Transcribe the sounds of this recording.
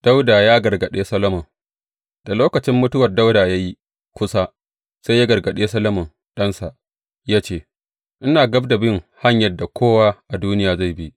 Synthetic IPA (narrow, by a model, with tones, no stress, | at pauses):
d̥a˦wdaː˨jaː˦ɡɐ˨rɡɐ˨ɗeː˦sɐ˦lɐ˦mʊ˨ŋ | d̥a˨loː˦kɐ˨t͡ʃɪ˦mːʊ˦tʊ˦wɐ˨rda˦wdaː˨ja˦ji˦ | kʷʊ˦sa˦ | sa˦jja˦ɡɐ˨rɡɐ˨ɗeː˦sɐ˦lɐ˦mʊ˨ŋ | ɗɐ˦nsa˨ʔ | jaː˦t͡ʃeː˦˨ | ʔɪ˦naː˨ɡɐ˦bda˨bɪ˦ŋha˦ɲjɐ˨dːa˨kʷʰoː˦waː˦ʔa˨duː˦nɪ˦jaː˨za˦˨bi˦ʔ